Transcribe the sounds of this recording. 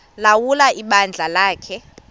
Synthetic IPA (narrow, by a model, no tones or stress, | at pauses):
lawulaʔiɓand͡ɮʱalaːkʰɛ